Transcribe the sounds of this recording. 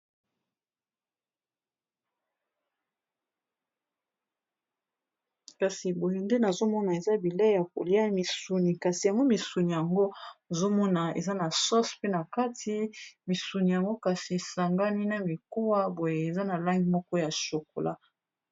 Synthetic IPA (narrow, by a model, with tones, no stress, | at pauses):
ka˨si˨bo˨je˨nde˦na˨zo˦mɔ˦na˨e˨za˦bi˨lɛ˦ja˨ko̰˨li˦a˦mi˨su˨ni˨ka˨si˨ja˨ŋɡo˦mi˨su˨ni˨ja˨ŋɡo˦˨zo˦mɔ˦na˨ḛ˨za˦na˨sɔ˦spe˦na˨ka˦tʰi˦mi˨su˨ni˨ja˨ŋɡo˦ka˨si˨e˨sa˨ŋɡa˦ni˦na˨mi˨ko˦wa˦bo˨jeː˨za˦na˨la˦ŋɡi˨mɔ˦kɔ˦ja˨ʃo˨ko˨la˦